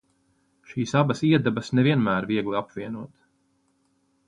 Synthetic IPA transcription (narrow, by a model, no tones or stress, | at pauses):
ʃiːsabɐsiɛd̪ɛbɐsnɛvʲiɛnmæːɾviɛɡlˠiapviɛnuɔt̪